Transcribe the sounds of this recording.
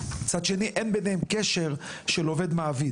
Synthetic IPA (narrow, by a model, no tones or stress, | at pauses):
t͡sad̪ʃe̞niʔenbenehemkeʃeʁʃelo̞ve̞d̪maːvi